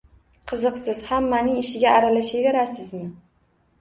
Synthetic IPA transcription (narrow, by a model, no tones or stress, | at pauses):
qʰɨzɨqsɪz̥hamːanɪŋɪʃɪɡʲaːɾalaʃevʲɪɾasɪzmɪ